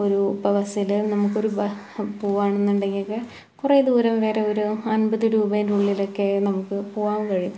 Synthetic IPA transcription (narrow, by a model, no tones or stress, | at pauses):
o̞ɾubɐʋɐsilnɐmukːo̞ɾubɐ | poːʋaːɳenːuɳɖe̞ŋɡilkɨ | kureːd̪uːɾɐmʋe̞ːreo̞ɾuɐnbɐðɨɾuːbɐjnruɭːilo̞kːe̞nɐmukːɨpoːʋaːmkɐɻiju